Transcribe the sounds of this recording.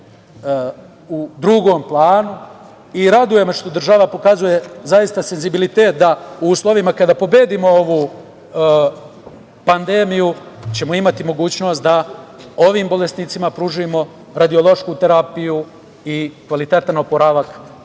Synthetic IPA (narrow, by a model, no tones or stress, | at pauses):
ud̪ɾuɡo̞ːmplˠaːnu | iɾad̪uje̞mo̞ʃt̪o̞d̪r̩ʒaʋapo̞kazuje̞zajist̪ase̞nzibilit̪eːt̪̚d̪auuːslˠo̞ʋimakad̪apo̞be̞ːd̪imo̞o̞ʋu | pand̪eːmijut͡ɕe̞moimat̪imo̞ɡuːt͡ɕno̞st̪̚d̪aoʋiːmbo̞le̞sniːt̪simapɾuʒuemo̞ | ɾad̪io̞lˠo̞ʃkut̪e̞ɾapiju | ikʋalit̪e̞t̪ano̞poɾaʋak